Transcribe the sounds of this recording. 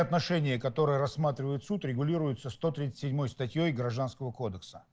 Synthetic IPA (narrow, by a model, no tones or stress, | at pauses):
ɐt̪nɐʂɛnʲɪjəkɐt̪o̞ɾɨjəɾɐsːmat̪ɾʲɪvəjɪt̪sut̪ɾʲɪɡʊlʲiɾʊjʊt̪səst̪o̞t̪ɾʲit̪sə̥tʲsʲɪdʲmo̞jst̪ɐtʲjo̞jɡɾɐʐd̪anskəvəko̞d̪əksə̥